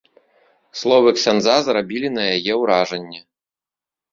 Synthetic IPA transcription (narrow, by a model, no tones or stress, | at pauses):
slˠɔvɨksʲand̪zazrabʲilʲinɐjajɛwɾaʐɐnʲːɛ